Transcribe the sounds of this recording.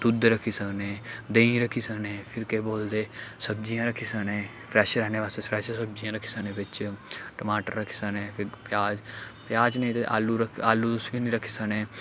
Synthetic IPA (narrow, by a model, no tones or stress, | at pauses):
d̪ʊd̪ɾəkʰiːsəkneːd̪eĩɾəkʰiːsəkneːpʰɪɾkeːboːld̪eːsəb̚d͡ʒijãːɾəkʰiːsənẽː | pʰɾɛːʃɾɛːneːʋaːst̪epʰɾɛːʃsəb̚d͡ʒijãːɾəkʰiːsəneːbɪt͡ʃʈəmaːʈə̰ɾɾəkʰiːsəknẽːpʰɪɾpjaːd͡ʒpjaːd͡ʒnəĩːt̪eʔa̰ːlːuːɾəkʰaːlːuːd̪ʊsʋiːnĩːɾəkʰːiːsəknẽː